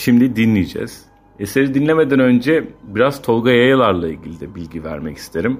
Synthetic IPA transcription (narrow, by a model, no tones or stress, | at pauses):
ʃimd̪id̪inlʲijid͡ʒɛ̰z̥ | eseɾid̪inlʲeme̞d̪ænø̞nd͡ʒɛbiɾaz̥t̪ʰo̞lˠɡajajɯlˠaɾlˠailʲɟʲilʲid̪ɛbilʲɟivæ̰ɾmɛcʰi̥st̪ʰe̞ɾim